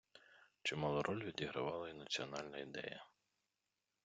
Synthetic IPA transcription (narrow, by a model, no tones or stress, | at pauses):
t͡ʃɪmɑlˠʊɾʔɔlʲʋʲid̪ʲiɦɾɐ̰ʋɑlˠɐinɐt͡sʲiɔnɑlʲnɐid̪ɛ̰jɐ